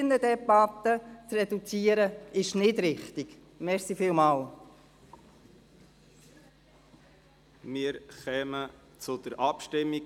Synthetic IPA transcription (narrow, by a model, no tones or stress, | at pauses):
nədɛbat̪ət͡srɛdut͡siːəɾəɪʃnɪdɾɪχt̪ɪɡ̥ | mɛɾsifiːlmɑːl | mɪːəɾχɛːmə | t͡sʊd̥̪əɾʔɑpʃtɪmːi